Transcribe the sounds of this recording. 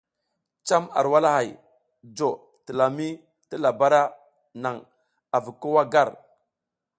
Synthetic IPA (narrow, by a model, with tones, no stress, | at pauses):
t͡ʃa˦ma̰˨ɾwa˦la˦ɦa˨j | d͡ʒo˨ | tə˨la˨mi˦ | tə˦la˨ba˦ɾa˦ | na˨ŋ | a˨vi˨ko˦wa˦ɡa˦˨ɾ